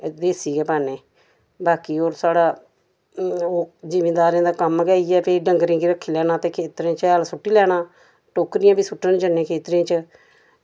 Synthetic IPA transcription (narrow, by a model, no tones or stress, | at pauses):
d̪eːsiːɡɛːpaːnẽː | baːkiːoːɾsaːɽaː | oːd͡ʒiːmẽːd̪aːɾãːd̪aːkəmɡɛːiːɛːpʰeɖəŋɡɾẽːɡiːɾəkʰːiːlɛːɽaːt̪ẽːkʰeːt̪ɾeãt͡ʃːəlsʊʈːiːlɛːɽ̃aː | ʈoːkɾɪjãːbiːsʊʈːəɳd͡ʒənːẽːkʰeːt̪ɾãːt͡ʃə